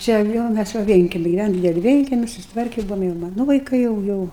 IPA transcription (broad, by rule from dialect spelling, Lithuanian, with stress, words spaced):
ˈt͡ʃʲɛ jɛʊ ˈmʲæs ʋɐ ˈʋʲiɛŋʲkʲɛmʲɪ ɡʲɪˈʋʲænoːm ˈdʲɪdʲɛlʲɪ ˈʋʲiɛŋʲkʲɛmʲɪ sʊsʲɪtˈʋɐrʲkʲɛ ˈbʊʋoːm jɛʊ ˈmɑːnʊ ʋɐɪˈkɐɪ jɛʊ ˈjɛʊ